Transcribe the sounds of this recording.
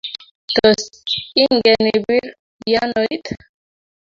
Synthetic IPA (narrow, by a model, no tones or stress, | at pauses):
t̪ɔsiŋɡɛnibiɾ | janojt̪